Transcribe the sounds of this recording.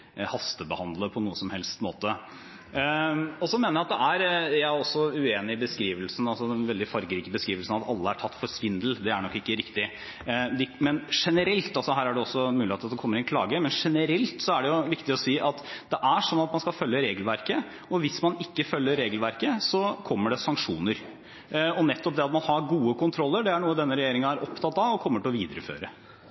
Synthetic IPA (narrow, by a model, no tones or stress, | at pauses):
hɑst̪əbəhɑnd̪ləpʰɔnuːəsɔmhɛlst̪mo̰ːt̪ə | ɔsɔmeːnəɾjæɑt̪̚d̪ɛæɾjææɔsːɔʉeːnɪbəskɾiːʋəlsən̩ɑlsɔd̪ɛnʋɛld̪ɪfɑɾɡəɾiːkəbəskɾiːʋəlsnɑt̪ɑlːəæʈʰɑt̪ːfɔɾsʋɪnd̪əl̩d̪ɛæɳɔkːɪkːəɾɪkt̪ɪ | d̪ɛmɛnʂɛnəɾɛlt̪ɑlsɔɦæːɾæɖɛɔsːɔmʉːlɪeɑt̪ɑt̪d̪ɛkʰɔmːəɾɪnkʰlɑ̰ːɡəmɛnʂɛnəɾɛlt̪sɔæɖɛjʊʋɪkt̪ɪɔsiːʔɑt̪d̪̥ɛʔæʂɔnːɑt̪mɑnskɑlfœlːəɾeːɡlʋæɾkə | ɔʋɪsmɑnɪkːəfœlːəɾeːɡəlʋæɾkəsɔkʰɔmːəɖɛsɑŋkʂuːnəɾ | ɔnɛt̪ːɔp̚d̪ɛɑt̪mɑnhɑɾɡuːəkʰʊnt̪ʰɾɔlːəɖɛæɳuːəd̪ɛnːəɾɛjeːɾɪŋənæɾʔɔpt̪ʰɑt̪ːɑʋɔkʰɔmːəʈɪlɔʋiːd̪əɾəfø̰ːɾə